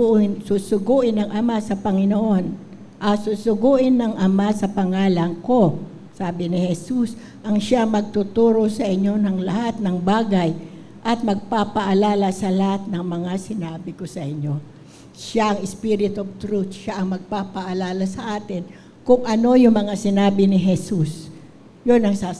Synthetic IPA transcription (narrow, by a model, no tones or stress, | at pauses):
ɪnsusʊɡuːʔɪnːɐŋʔɐmasɐpɐŋɪnoʔo̞n | ʔɐsusʊɡuʔɪnːɐŋʔɐmasɐpɐŋaːlɐŋko̞ | saːbɪnɪhɛsus | ʔɐŋʃaŋmɐɡ̚t̪ʊt̪uːɾo̞sɐʔɪɲːo̞nɐŋlɐhat̪̚nɐŋbaːɡɐj | ʔɐt̪̚mɐɡ̚papɐʔɐlaːlɐsɐlɐhat̪̚nɐŋmɐŋasɪnaːbɪko̞sɐʔɪɲo̞ | ʃaʔɐŋɪspiɾɪt̪ob̚t̪ɾut̪ʃaʔɐŋmɐɡ̚paːpɐʔɐlaːlɐsɐʔaːt̪ɪn | kʊŋʔɐno̞jʊŋmɐŋasɪnaːbɪnɪɦɛsus | jonɐŋsa